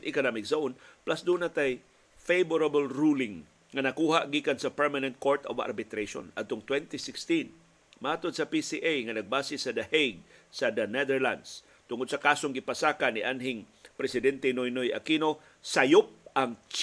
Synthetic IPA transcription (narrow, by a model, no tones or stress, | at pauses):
nʔɪkonamɪksaʊnplasd̪uːnat̪aj | fejboɾabolɹuːlɪŋ | ŋɐnɐkuːhaʔɡiːkansɐpɛɹmanɛnt̪̚koɹt̪o̰va̰ɾbɪt̪ɾejʃo̰nɐ̰d̪̚t̪oŋt̪wɛnt̪ɪsɪkst̪in | maʔaːt̪od̪̚sɐpisiʔajŋɐnɐɡ̚baːsɪsɐd̪ɐhejɡ̚sɐd̪ɐnɛd̪ɛɹla̰nd̪s | t̪ʊŋod̪sɐkaːsoŋɡɪpɐsaːkaniʔanɦɪŋ | pɾɛsɪd̪ɛnt̪ɛnojnojɐ̰kino̞ | sajop̚ʔaŋt͡ʃ